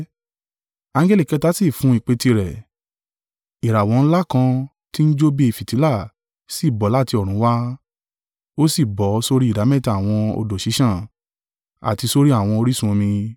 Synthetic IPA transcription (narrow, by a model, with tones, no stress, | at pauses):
ã˧ŋ˦ɡɛ˦li˦˨kɛ˨˧ta˦si˦˨fũ˨˦i˨k͡pe˨˧ti˧ɾɛ˨ | i˨ɾa˨wɔ̃˨˧n̩˦la˦˨kã˧ | ti˦n̩˦d͡ʒo˦be˦i˨fi˨ti˨˦la˦˨ | si˦˨bɔ˨˦la˦˨ti˧ɔ˨ɾ̃ũ˨˦wa˦ | o˦si˦˨bɔ˨˦so˧ɾi˦i˦˨da˨˦mɛ̃˦˨ta˨a˨w̃ɔ̃˧o̰˧do˨ʃi˨˦ʃã˦˨ | a̰˨ti˧so˧ɾi˦a˦˨w̃ɔ̃˧o˧ɾi˦sũ˦õ˧mĩ˧